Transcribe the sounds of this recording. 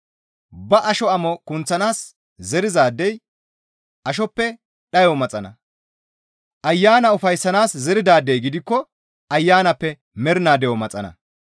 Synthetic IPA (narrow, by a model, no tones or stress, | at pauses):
bɐʔɐʃɔɐmɔkʊnt͡sːɐnaːs | zɛɾɪzaːd̪ːɛj | ʔɐʃ̬ɔpːɛ | ɗɐjɔmɐt͡sʼɐnɐ | ʔɐjːaːnɐʊfɐjsːɐnaːszɛɾɪd̪aːd̪ːɛjɡɪd̪ɪkːɔ | ʔɐjːaːnɐpːɛ | mɛɾɪnaːd̪ɛjɔmɐt͡sʼɐ̰nɐ̰